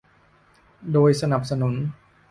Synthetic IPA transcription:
doː˧jsa˧na˨˩p̚sa˧nu˩˦n

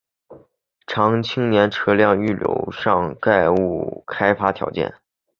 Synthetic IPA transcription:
ʈ͡ʂʰɑ˧˥ŋt͡ɕʰi˥ŋnjɛ˧˥nʈ͡ʂʰɤ˥ljɑ˥˧ŋy˥˩ljo̰˧˥ʊʂɑ˥˧ŋka˥˧ɪu˥˩kʰa˥ɪfa˥t̪ʰjɑ̰˧˥ʊt͡ɕjɛ̰˥˩n

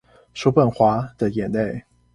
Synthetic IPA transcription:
ʂu˥pə˥˩nxwa˧˥d̪̥ə˨jɛ˨˩nne˥˩ɪ

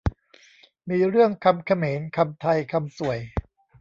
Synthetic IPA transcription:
miː˧ɾɯ˥˩əŋkʰa˧mkʰa˧meː˩˦nkʰa˧mt̪ʰa˧jkʰa˧msu˨˩əj

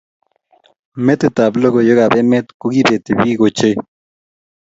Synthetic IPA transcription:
met̪et̪a˨blo˦ɡo˨jo˦ɣa˨be˦me˦t̪ku˦ɡi˦be˨t̪e˨bi˦ɡo˨t͡ʃe˦

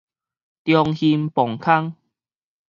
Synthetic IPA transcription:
t̪jɔ˧ŋhi˧mpɔ˨˩ŋkʰa˥ŋ

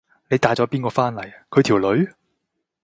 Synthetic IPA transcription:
ne˨˧jt̪aː˨˥t͡sɔː˨˥piː˥nkɔː˧faː˥nlɐ˨˩jkʰɵ˨˧ɥt̪ʰi˨˩wlɵ˨˧ɥ

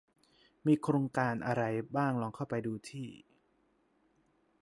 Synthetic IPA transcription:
miː˧kʰɾoː˧ŋkaː˧nʔa˧ɾa˧jbaː˥˩ŋlɔː˧ŋkʰa˥˩wpa˧jduː˧t̪ʰiː˥˩

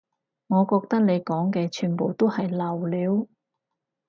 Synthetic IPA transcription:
ŋɔː˨˧kɔː˧k̚t̪ɐ˥k̚ne˨˧jkɔː˨˥ŋkɛː˧t͡ʃʰyː˨npo˨wt̪o˥whɐ˨jlɐ˨˩wliː˨˧w

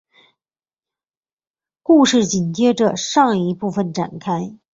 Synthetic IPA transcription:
ku˥˧ʂɻ̩˥˩t͡ɕi˨˩nt͡ɕjɛ˥ʈ͡ʂə˨ʂɑ˥˩ŋi˧˥pu˥˩fə˩nʈ͡ʂa̰˨˩nkʰa˥ɪ

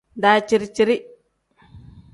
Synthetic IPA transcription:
da˨t͡ʃi˨ɾt͡ʃi˨ɾi˦

